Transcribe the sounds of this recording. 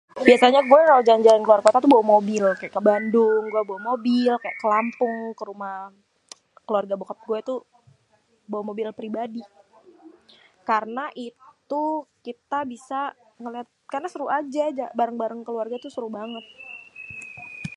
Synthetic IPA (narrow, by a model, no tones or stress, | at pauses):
biasaɲaɡuɛkalawd͡ʒaɲd͡ʒaankəluwarkot̪at̪ubawamobɪlkajaʔkəbandʊŋɡuɛbawamobɪlkaja̰kəlampʊŋkəɾumah | kəluarɡabukat̪̚ɡuɛt̪u | bawamobɪlpɾibadi | karənaʔit̪ukit̪abisa | ŋəliat̪̚karnasəɾuad͡ʒad͡ʒabaɾaŋbaɾaŋkəluarɡat̪usəɾuhbaŋət̪̚